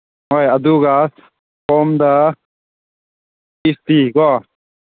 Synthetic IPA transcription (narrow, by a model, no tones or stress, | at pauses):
ɦojɐd̪uɡas | pɔmd̪ɐ | ist̪iɡɔ